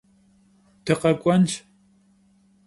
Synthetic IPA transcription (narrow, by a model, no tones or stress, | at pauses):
t̪ʰeqɑkʷʼant͡ʃ